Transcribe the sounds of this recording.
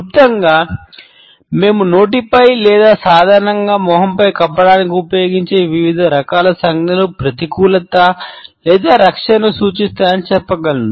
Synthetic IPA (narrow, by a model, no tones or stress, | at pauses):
ut̪ːɐŋɡaː | me̞ːmuno̞ːʈipɐjlɛːd̪aːsaːd̪ʱaːɾɐɳɐŋɡaːmɔːɦɐmpɐjkɐpːɐɽaːnikiupɐjo̞ːɡiɲt͡ʃe̞ːʋiʋid̪ʱɐɾɐkaːlɐsɐŋɡnɐlupɾɐt̪ikuːlɐt̪ɐlɛːd̪aːɾɐkʂɐnɐsuːt͡ʃist̪aːɾɐnit͡ʃɛpːɐɡɐlu